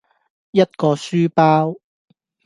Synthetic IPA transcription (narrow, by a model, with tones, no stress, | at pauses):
jɐ˥t̚kɔː˧syː˥paː˥w